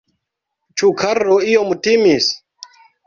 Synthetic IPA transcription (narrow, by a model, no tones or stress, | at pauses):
t͡ʃukʰaroijomutimis